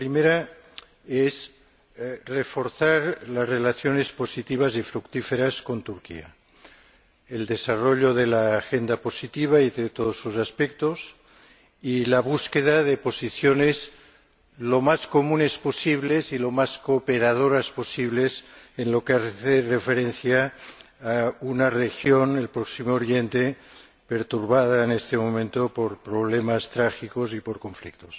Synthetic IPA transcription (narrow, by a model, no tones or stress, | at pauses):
pɾimeɾa | ez | refo̞ɾθaɾlazrelaθjonespo̞sit̪iβ̞azifɾukt̪ifeɾasko̞nt̪uɾkḭa̰ | eld̪esaroʎoðelaːxend̪apo̞sit̪iβ̞aiðet̪oð̞osusaspek̚t̪os | ilaβ̞uskeðaðepo̞siθjonez | lomaskomũnesposiβlezilo̞maskopeɾað̞oɾasposiβlesenlo̞keaθerefeɾenθjaː | unarexjonelpɾoksimoːɾjent̪e | peɾt̪uɾβaðaenest̪emomẽnt̪opoɾpɾoβ̞lemast̪ɾaxikosipoɾko̞ɱflḭk̚t̪os